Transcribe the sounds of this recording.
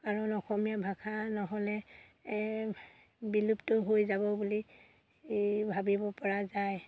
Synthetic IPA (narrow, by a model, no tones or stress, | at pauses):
kaɹɔnɔxɔmijabʱakʰanɔɦɔlɛ | biluptɔɦojzabɔbuli | bʱabibɔpɔɹazaj